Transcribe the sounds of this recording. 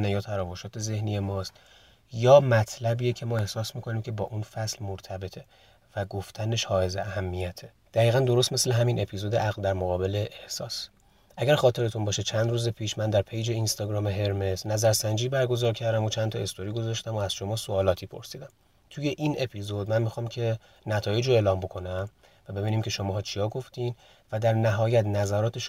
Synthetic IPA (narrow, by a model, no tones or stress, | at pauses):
næjɒːt̪ʰæɾɒːvoʃɒːt̪ʰe̞ze̞hnije̞mɒːst̪ | jɒːmæt̪ʰlæbijecʰe̞mɒːe̞hsɒːsmiːkʰo̞niːmcʰebɒːʔunfæslmoɾt̪ʰæbe̞t̪ʰe | væɡoft̪ʰæne̞ʃhɒːe̞zeæhæmːijæt̪ʰe | d̪̥æɣiːɣænd̪o̞ɾo̞st̪mesle̞ɦæmine̞pʰizod̪eʔæɣld̪æɾmoɣɒːbe̞le̞ʔehsɒ̰ːs | ʔæɟæɾxɒːt̪ʰe̞ɾet̪ʰunbɒːʃet͡ʃʰænd̪ɾuːze̞pʰiːʃmænd̪æɾpʰejd͡ʒe̞inst̪ɒːɡɾɒːmeɦe̞ɾme̞znæzæɾsænd͡ʒiːbæɾɡo̞zɒːɾcʰæɾd̪æmot͡ʃʰænt̪ʰɒe̞st̪oɾiːɡo̞zɒːʃt̪æmoæz̥ʃo̞mɒːsoɒːlɒːt̪ʰiːpʰoɾsiːd̪æm | t̪ʰuje̞ʔinʔe̞pʰizo̞d̪̚mænmixɒːmcʰe̞ | næt̪ʰɒːje̞d͡ʒoeːlɒːmbo̞kʰo̞næm | væbe̞biːniːmcʰe̞ʃo̞mɒːɦɒːt͡ʃʰijɒːɡo̞ft̪iːn | væd̪æɾnæɦɒːjæt̪næzæɾɒːt̪ʰeʃ